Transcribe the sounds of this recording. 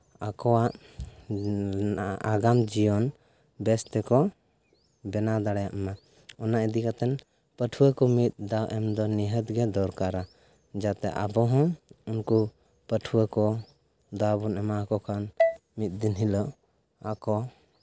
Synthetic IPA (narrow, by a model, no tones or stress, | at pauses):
akɔwaʔ | aɡamd͡ʒijɔn | bɛst̪ɛkɔ | bɛnad̪aɽajaʔɛma | ɔnaʔid̪ikat̪ɛn | pəʈʰuwəkɔmit̪̚d̪awʔɛmd̪ɔniɦət̪ɡɛd̪ɔɾkaɾa | d͡ʒat̪ɛ̰ʔa̰bɔɦɔ̃unku | pəʈʰuwakɔ | d̪abunɛmakɔkʰanmit̪̚ˀd̪inɦilɔ | akɔ